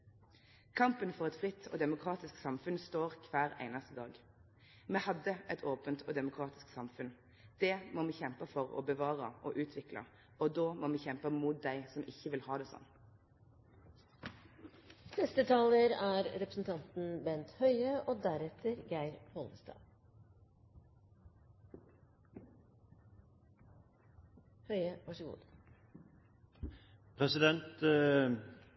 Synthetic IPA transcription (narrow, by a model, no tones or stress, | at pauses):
kʰɑmpənfɔʁɛt̪fʁɪt̪ʰːɔ̰ːd̪ɛmʊkʰʁɑːt̪ɪsksɑmfʉnst̪oːʁkʰʋæːʁæ̰ɪnəst̪əd̪ɑːɡ | mɛːhɑd̪ːəʔɛt̪ʰoːpənt̪ʰɔːd̪ɛmʊkʰʁɑːt̪ɪ̥sksɑmfʉn | d̪̥ɛmɔmɛːçɛmpəfɔʁɔ̰bəʋɑːʁəʔɔʔʉːt̪ʰʋɪklɑ̰ | ɔd̪oːmoːmɛːçɛmpəmuːt̪̚d̪æɪsɔmʔɪçːəʋɪlhɑːd̪ɛːsɔ̰nː | nɛst̪ət̪ʰɑːləɾæːɾɾɛpɾəsn̩t̪ʰɑnt̪n̩bɛnt̪hœʏəʔoːd̪æɾɛt̪ʰəɾɡæɪɾhɔləst̪ɑ̰ː | hœʏəʋɑʂəɡṵːd̪ | pʰʁɛsɪd̪ɛnt̪